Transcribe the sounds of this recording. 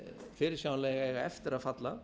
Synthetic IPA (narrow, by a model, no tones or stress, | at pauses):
fɪːɾɪ̥sjawnlɛːjɣaɣaɛft̪ɪɾaðfat̪la